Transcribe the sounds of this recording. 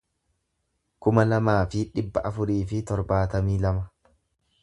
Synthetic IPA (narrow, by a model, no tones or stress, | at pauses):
kʊmɐlɐmaːfɪᶑɪbːɐʔɐfʊɾiːfɪt̪ɔɾbaːt̪ɐmiːlɐmɐ